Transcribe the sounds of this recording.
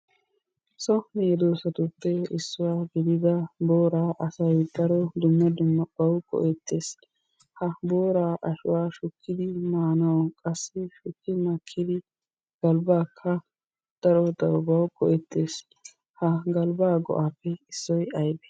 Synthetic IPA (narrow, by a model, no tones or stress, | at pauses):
sɔnɛɛd̪oːsɐt̪ʊt̪ːɛɪsːʊwaːɡɪd̪ɪd̪ɐboːɾaːʔɐsɐjd̪̥ɐɾɔd̪ʊmːɐd̪ʊmːɐb̥ɐwkʼɔ̰ʔɛt̪ːe̞ːs | hɐboːɾaːʔɐʃʊwaːʃʊkʰːɪd̪ɪmaːnɐwkʼɐsːɛʃʊkːɪmɐkʰːɪd̪ɪ | ɡ̥ɐlbaːkʰːɐ | d̪̥ɐɾɔd̪ɐɾbɐwkʼɔʔɛt̪ʰːeːs | hɐɡɐlbaːɡɔ̰ʔaːpːɛɪsːɔjɐjbɛ̥